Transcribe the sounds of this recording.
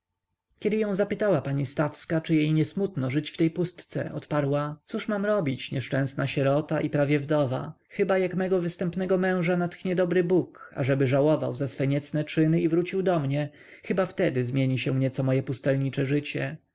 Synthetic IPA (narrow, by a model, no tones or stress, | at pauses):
kʲɛd̪ɘjɔ̃zapɘt̪awapaɲist̪afskat͡ʂɘjejɲɛsmut̪nɔʐɘt͡ɕft̪ɛjpust̪t̪sɛ̰ʔɔ̰t̪paɾwat̪suʂmamɾɔbʲit͡ɕɲɛʂt͡ʂɛ̃w̃snaɕɛɾɔt̪aʔipɾavʲjɛvd̪ɔva̰ | xɘbajakmɛɡɔvɘst̪ɛmpnɛɡɔmɛ̃w̃ʐanat̪xɲɛd̪ɔbɾɘbuka̰ʐɛbɘʐawɔva̰wzasfɛɲɛt̪snɛt͡ʂɘnɘivɾut͡ɕiwd̪ɔmɲɛ | xɘbaft̪ɛd̪ɘzmʲjeɲiɕɛmɲɛt̪sɔmɔjɛpust̪ɛlɲit͡ʂɛʐɘt͡ɕɛ